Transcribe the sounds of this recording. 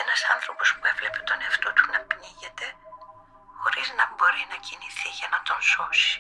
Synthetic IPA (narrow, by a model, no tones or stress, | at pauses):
enɐsɐnθɾo̞po̞spue̞vle̞pe̞t̪o̞neɐft̪o̞t̪u̥nɐpniʝe̞t̪e̞ | xo̞ɾiznɐbo̞ɾinɐciniθiʝɐnɐt̪o̞nso̞si̥